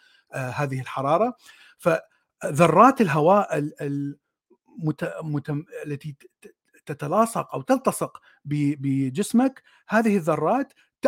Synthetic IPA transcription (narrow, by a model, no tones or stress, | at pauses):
haːðɪhɪlħɑɾˤɑːɾˤɑ | fa | ðɑrˤːɑːt̪ɪlɦawaːʔɪɪl | mʊt̪amʊt̪aalːat̪i | t̪at̪alɑːsˤɑqʔawt̪ɪlt̪ɑsˤɨq | bɪbɪd͡ʒɪsmak | haːðɪhɪðːɑrˤːɑːt̪ː